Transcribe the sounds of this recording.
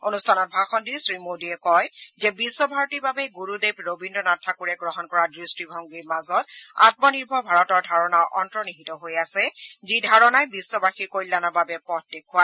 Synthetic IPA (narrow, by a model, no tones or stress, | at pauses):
onustʰanɔt̚bʱaxɔndiɹsɹimodiɛkɔjzɛbisːɔbʱaɹotiɹbabɛɡuɹudebɹobindɹɔnatʰːakuɹɛɡɹɔɦɔnkɔɹadɹistibʱɔŋɡiɹmazɔta̰t̚mɔniɹbʱɔbʱaɹɔtɔɹdʱaɹɔnawʔɔntɹɔniɦitɔɦojasɛzidʱaɹɔnajbisːɔbaxiɹkojlːanɔbabɛpɔtːekʰːʊa